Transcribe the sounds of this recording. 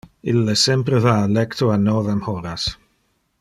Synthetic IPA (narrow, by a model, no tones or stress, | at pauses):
ɪlːəsɛmprəðalɛktʰɔanɔðamhɔɾas